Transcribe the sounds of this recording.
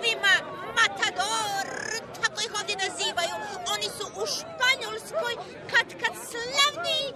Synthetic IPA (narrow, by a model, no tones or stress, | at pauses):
vima | mat̪ʰad̪ɔɾt̪ʰakʼˠixɔd̪inaziːvajuɔnisuʔuʃpaɲɔlskɔj | kʰat̪kʰat̪slɛvni